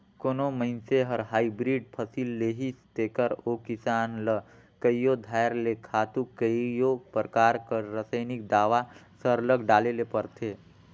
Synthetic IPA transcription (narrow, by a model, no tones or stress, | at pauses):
konoməɪnseɦəɾɦaːibɾiɖ̚pʰəsilːeɦist̪ekəɾokisaːnlə | kəjod̪ʱajɾlekʰaːt̪ukəijopɾkaːɾkəɾːəsəjnik̚d̪aːʋasəɾləɡɖaːlelepəɾt̪ʰe